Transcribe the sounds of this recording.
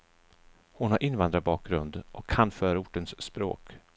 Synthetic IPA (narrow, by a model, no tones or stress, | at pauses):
hʊnhaɾʔɪnvand̪ɾabɑːk̚ɡɾɵnd̪ʔɔkʰːanfœːɾaʊʈːənsːpɾo̰ːk